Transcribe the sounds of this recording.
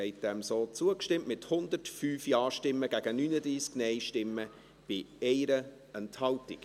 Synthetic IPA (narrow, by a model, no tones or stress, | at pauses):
ɛɪt̚d̥ɛmsoːt͡suəkʃtɪmmɪthʊnd̪ərtfyːfjɑːʃtɪmːəɡ̥æɡ̥ənyːnədɾiːsknɛɪʃtɪmːə | b̥ɪɛɪɾə | ɛnthɑltɪk